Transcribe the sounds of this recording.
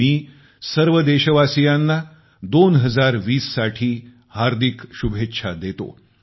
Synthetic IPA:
iː | səɾʋəd̪eɕəʋasijanːa | d̪onɦəd͡zaɾʋiːsːaʈʰiː | haɾd̪ʱikɕubʱet̪ːɕʰad̪et̪o̰

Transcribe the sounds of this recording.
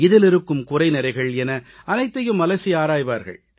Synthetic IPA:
ɪðɪlɪɾɯkːɯmkʊrɐɪnɪɾɐɪɣɐɭɛnɐ | ɐnɐɪt̪ːɐjɯmɐlɐsiaːɾaːjʋaːɾɣɐ̰ɭ

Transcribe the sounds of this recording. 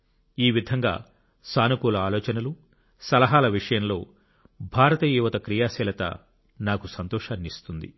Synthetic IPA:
iːʋid̪ʱɐŋɡa̰ː | saːnukuːlɐaːlɔːt͡ʃɐnɐlu | sɐlɐɦaːlɐʋiʂɐjɐmlo̞ː | bʱaːɾɐt̪ɐjuːʋɐt̪ɐkɾijaːsɛːlɐt̪ɐ̰ | naːkusɐnt̪ɔːʂaːnist̪und̪ḭ

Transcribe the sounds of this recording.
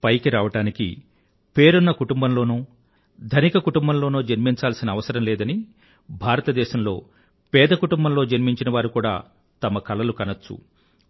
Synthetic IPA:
pɐjkiɾaːʋɐʈaːnikḭ | pe̞ːɾunːɐkuʈumbɐmlo̞ːnuː | d̪ʱɐnikɐkuʈumbɐmlo̞ːnuːd͡ʒɐɾmiɲt͡ʃaːlsinɐːʋɐsɐɾɐmlɛːd̪ɐni | bʱaːɾɐt̪ɐd̪ɛːʃɐmlo̞ː | pɛːd̪ɐkuʈumbɐmlo̞ːd͡ʒɐɾmiɲt͡ʃinɐʋaːɾukuːɽa̰ː | t̪ɐmɐkɐlɐlukɐnɐt͡ʃːṵ

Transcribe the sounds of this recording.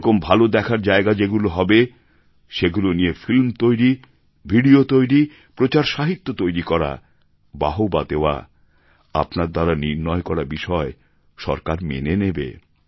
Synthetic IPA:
kombʱalod̪ɛkʰaɾd͡ʑaeɡad͡ʑeɡuloɦɔbe | ʃeɡulonijefilmt̪ojɾi | bʱiɖiot̪ojɾi | pɾot͡ɕaɾʃaɦit̪ːot̪ojɾikɔɾa̰ | ba̰ɦobad̪eoa̰ | a̰pnaɾd̪aɾaniɾnɔekɔɾabiʃɔe | ʃɔ̰ɾkaɾmḛnenebḛ

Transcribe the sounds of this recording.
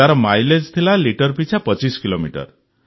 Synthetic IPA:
aɾɔmajled͡ʒt̪ʰilaliʈɔɾpit͡ʃʰapɔt͡ʃiskilomiʈɔ̰ɾ

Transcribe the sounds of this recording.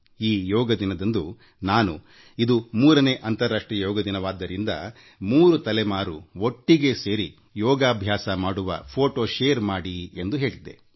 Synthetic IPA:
iːjɔːɡɐd̪inɐd̪ɐnd̪u | naːnu | id̪umuːɾɐne̞ːʔɐnt̪ɐɾːaːʂʈɾijɐjɔːɡɐd̪inɐʋaːd̪ːɐɾind̪ɐ̰ | muːɾut̪ɐlɛmaːɾuo̞ʈːiɡe̞se̞ːɾi | jɔːɡaːbʱjaːsɐmaːɽuʋɐ̰pʰoːʈoːʃeːɾmaːɽie̞nd̪uɦe̞ːɭid̪ːe̞̰

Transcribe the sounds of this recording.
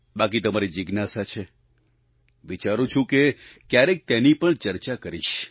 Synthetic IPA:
bakit̪əmaɾid͡ʒiɡnasat͡ʃʰe | ʋit͡ʃaɾũt͡ʃʰũkekjaɾek̚t̪enipəɳt͡ʃəɾt͡ʃakəɾiʃ

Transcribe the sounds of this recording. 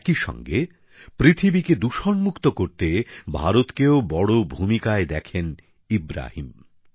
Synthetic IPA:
ɛkiʃɔ̰ŋɡe | pɾit̪ʰibiked̪uʃonmukt̪okoɾt̪ebʱaɾot̪keobɔɽobʱumikaed̪ɛkʰen | ibɾa̰hḭm

